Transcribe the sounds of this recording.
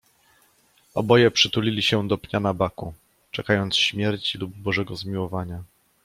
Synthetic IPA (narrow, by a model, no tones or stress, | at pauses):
ɔ̰bɔjɛpʂɘt̪ulʲilʲiɕɛd̪ɔpɲanabaku | t͡ʂɛkajɔnt̪sɕmʲjɛɾt͡ɕilub̚ːɔʐɛɡɔzmʲiwɔvaɲa